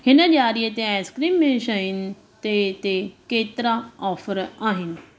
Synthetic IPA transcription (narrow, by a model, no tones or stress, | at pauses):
ɦɪnəʄaːɾiət̪eaːskɾiːmːẽʃaːɦɪnɪ̆ | t̪et̪ekeːt̪ɪɾaɔːfəɾaːɦɪnɪ̆